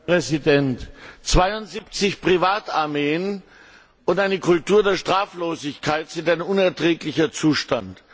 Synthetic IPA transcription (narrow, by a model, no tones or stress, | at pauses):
ʁɛzidɛntt͡sv̥aɪʊntz̥ip̚t͡sɪçpʁ̥ivaːtaɐmeːən | ʊntʔaɪnəkʰʊltuːɐdeːɐʃtʁ̥aːfloːzɪçkʰaɪtz̥ɪntaɪnʊnɛɐtʁ̥ɛːklɪçɐt͡suːʃtant